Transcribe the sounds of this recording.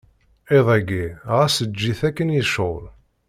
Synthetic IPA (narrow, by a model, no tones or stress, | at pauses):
eðˤæɡiʁæsəd͡ʒːiθækːənjəʃol